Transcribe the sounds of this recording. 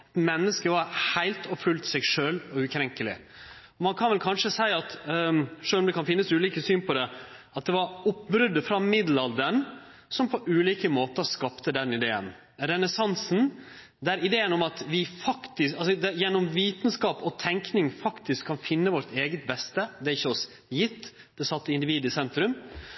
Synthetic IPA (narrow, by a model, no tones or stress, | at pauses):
t̪mɛnːəskəʋɑɾhæɪlt̪ʰɔfʉlt̪sɛɡʂøːlɔʉkʰɾɛŋkəlɪ̰ | ɔmɑnkʰɑnʋɛlkʰɑnʂəsæɪɑt̪ | ʂøːlɔmd̪ɛkʰɑnfɪnːəsʉːliːkəsyːnpʰɔd̪ɛ | ɑt̪̚d̪ɛʋɑɾʊp̚bɾʉd̪əfɾɑmɪd̪l̩ɑld̪əɾɳ | sɔmpʰɔʔʉːliːkəmoːt̪əskɑpt̪əd̪ɛnɪd̪eːə̰n | ɾɛnəsɑnsn̩ | d̪æɾɪd̪eːənɔmɑt̪ʋɪfɑkt̪ɪɑlsɔd̪ɛjɛnːɔmʋiːt̪ən̩skɑːpɔt̪ʰɛŋknɪŋfɑkt̪ɪskʰːɑnfɪnːəʋɔɾt̪eːɡət̪̚bɛst̪əd̪ɛæɾɪçːəɔs | jɪt̪ː | d̪̥ɛsɑt̪ːɪɪnd̪ɪʋiːd̪ɪsɛnt̪ɾʉm